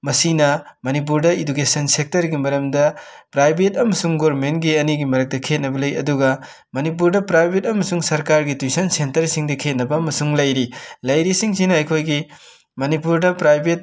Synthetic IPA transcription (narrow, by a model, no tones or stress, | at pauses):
mɐsinɐmɐnip̬uɾdɐidukesɐnsek̚tɐɾɡimɐɾɐmdɐ | pɾajbʱetɐmɐsuŋɡoɾmentɡiɐniɡimɐɾɐk̚tɐkʰet̚nɐbɐlɐjɐ̰duɡɐ | mɐnipuɾdɐpɾajbʱetɐmɐsuŋsɐɾkaɾɡitujsɐnsentɐɾsiŋdɐkʰet̚nɐbɐːmɐsuŋlɐjɾilɐjɾisiŋsinɐɐjkʰojɡi | mɐnipuɾdɐpɾajbʱet̚